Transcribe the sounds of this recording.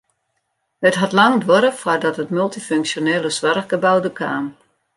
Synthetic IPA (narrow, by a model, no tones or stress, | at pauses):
hətɦɑtlɑŋdʋɔɾəfwardɔtətmylˠtiføŋksjoneːlˠəsʋɔrxɡəbawdəkʰa̰ːm